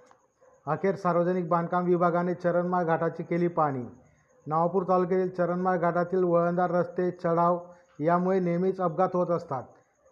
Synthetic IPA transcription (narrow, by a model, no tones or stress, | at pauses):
əkʰeɾsaɾʋəd͡zənik̚bãnkamʋibʱaɡanet͡ɕəɾənmaɾɡʱaʈat͡ɕiːkeliːpaɽ̃ḭː | naʋapuːɾt̪aluk̬et̪iːlt͡ɕəɾənmaɾɡʱaʈat̪iːlʋəɭənd̪aɾːəst̪et͡səɽaʋ | jamuɭenemiːt͡səb̚ɡat̪ɦot̪əst̪at̪̚